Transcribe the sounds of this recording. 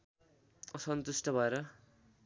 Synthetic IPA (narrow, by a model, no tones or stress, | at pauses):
ʌsʌnt̪usʈʌbʱʌeɾʌ